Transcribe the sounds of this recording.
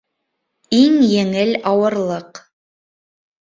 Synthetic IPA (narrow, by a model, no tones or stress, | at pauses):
iŋjɘ̆ŋɘlɑwɤ̆ɾlˠɤq